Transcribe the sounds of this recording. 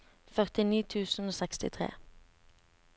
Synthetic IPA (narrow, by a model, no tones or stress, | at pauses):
fœʁt̪ɪniːt̪ʰʉːsn̩oːsɛkst̪ɪ̰t̪ʰʁḛː